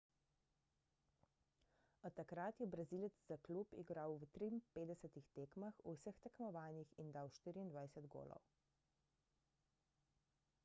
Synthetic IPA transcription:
ɔt̪ːakɾat̪jɛbɾazilɛt̪zzaklupḭɡɾawwt̪ɾimpeːd̪ɛsɛt̪ixt̪eːkmaxuwsəxt̪ɛkmɔʋaːnjixind̪aːwʃt̪iːɾiːnd̪ʋajsɛd̪ɡo̰ːlɔ̰w

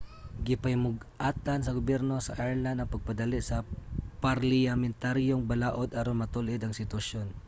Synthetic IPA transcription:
ɡɪpɐjmʊɡ | ʔaːt̪ansɐɡʊbjɛɾnosɐʔajɹland̪ɐŋpɐɡ̚pɐd̪alɪʔsɐpaɾlɪamɛnt̪aɾjoŋbɐlaːʔod̪aɾonmɐt̪ulʔɪd̪ɐŋsɪt̪wɐʃon

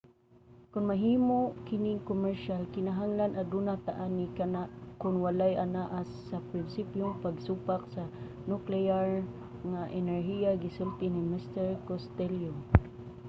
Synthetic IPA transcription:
kʊnmaɦiːmoʔkɪnɪŋkomɛɹʃalkɪnaɦaŋlanad̪unat̪aʔanikanaʔkʊnwalajanaʔasːapɾɪnsipjʊŋpaɡsupak̚sa | nʊklɛaɹ | ŋaʔɛnɛɹɦiaɡɪsʊlt̪ɪnimɪst̪ɛɹkost̪ɛljo

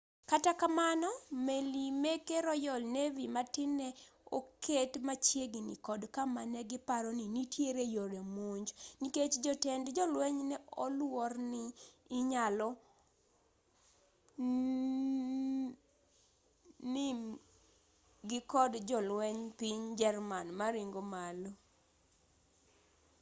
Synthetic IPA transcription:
katakamanɔmelimekeɾɔjɔlnevimatɪnɛo̰kʰetmat͡ʃjeɡɪnḭkɔdkamanɛɡɪpaɾɔninitjeɾejoɾjamoɲd͡ʒniket͡ʃd͡ʒɔtɛndd͡ʒɔlwɛɲnɛɔlwɔrnɪː | ɲalɔ | nɪm | ɡɪkɔdd͡ʒɔlwɛɲpiɲd͡ʒɛrmanmaɾɪŋɡomalo

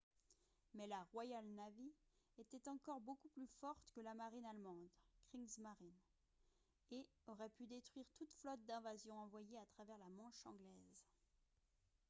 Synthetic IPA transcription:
mɛlaʁwajalnavi | et̪ɛt̪ɑ̃kɔʁbokuplyfɔʁt̪kəlamaʁinalmɑ̃d̪kχiŋzmaʁin | e | ɔʁɛpyd̪et̪χwɥiʁt̪ut̪flɔt̪̚d̪ɛ̃vazjɔ̃ɑ̃vwajeat̪χavɛʁlamɑ̃ʃɑ̃ɡlɛz

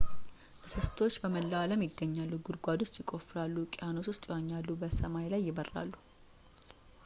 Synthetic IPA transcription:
sɨst̪ʰo̞t͡ʃːbəməlːəaləmjɪɡːəɲːalːuɡuɾɡʷad̪ost̪ʼjɪkʼo̞fɨɾalːukʼɪjano̞swʊst̪ʼɪwaɲːalːubəsəmajlajːɪbərːa̰lːu

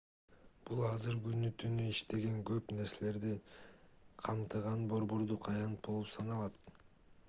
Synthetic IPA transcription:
b̥ulˠɑzɯɾɡynyt̪ynyiʃt̪e̞ɡe̞ŋɡø̞pne̞ɾse̞le̞ɾd̪i | qʰɑmt̪ɯʁɑnbo̞ɾbo̞ɾd̪uqɑjɑnt̪̚bo̞lˠupsɑnɑlˠɑt̪̚

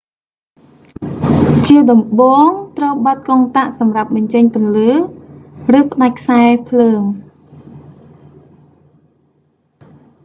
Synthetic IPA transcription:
t͡ɕiəɗɑmɓoːŋt̪rəwɓɑt̪̚koŋt̪aʔsɑmrap̚ɓɑɲt͡ɕəɲpɨ̆ənləː | rɨːpə̆ɗac̚kʰsaɛpʰləːŋ

